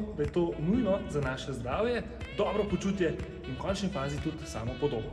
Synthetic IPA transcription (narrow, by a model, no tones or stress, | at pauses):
d̪ajɛt̪oːnujnɔzanaːʃɛzd̪ɾaːwjɛ | d̪ɔːbɾɔpɔt͡ʃuːt̪jɛ | inkɔnt͡ʃnifaːzit̪ut̪sa̰ːmɔpɔd̪oːbnɔ